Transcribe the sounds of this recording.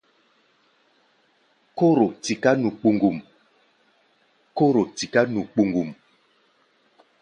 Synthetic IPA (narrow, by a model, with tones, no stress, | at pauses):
ko˦ɾo˨ti˨ka˦nu˨k͡pu˨ŋɡu˨m | ko˦ɾo˨ti˨ka˦nu˨k͡pu˨ŋɡu˨m